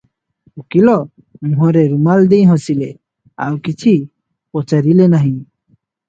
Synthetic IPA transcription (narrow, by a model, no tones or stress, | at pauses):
ukilɔ | mũɦɔ̃ɾɛɾumald̪ejɦɔ̃sile | a̰wkit͡ʃʰi | pɔt͡ʃaɾilenaɦĩ